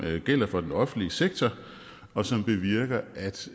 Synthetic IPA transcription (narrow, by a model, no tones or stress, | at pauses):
ɡ̥el̰ɐfɒ̽d̥enɒ̽fn̩liəseɡ̥̚t͡sʰɒ | ɒ̽sɒ̽mb̥e̝ʋiɐɡ̥ɐʔæd̥